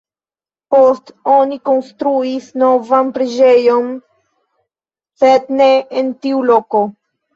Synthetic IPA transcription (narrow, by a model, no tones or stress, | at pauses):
post̪onikonst̪ɾuisnovampɾed͡ʒejon | set̪neːnt̪iuloko